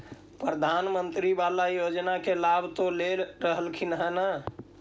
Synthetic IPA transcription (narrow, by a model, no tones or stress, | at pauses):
pɾəd̪ʱanmənt̪ɾibalajod͡ʒnakelabʱt̪olelɾəɦəlkʰinɦəna